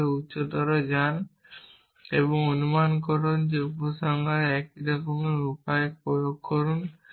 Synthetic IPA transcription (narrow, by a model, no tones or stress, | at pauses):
eutːʃod̪ɔɾɔd͡ʒan | ebɔŋonumankɔɾɔnd͡ʒeuposɔŋɡʱaɾɛkiɾɔkɔmeupaepɔjokʰːɔɾun